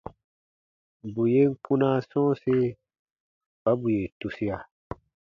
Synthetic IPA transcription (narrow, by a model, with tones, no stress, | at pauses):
bu˨je˦ŋ̩˦kũ˦nã˦sɔ̃ː˦se˦ | ba˦bu˨je˨tu˨si˦a˨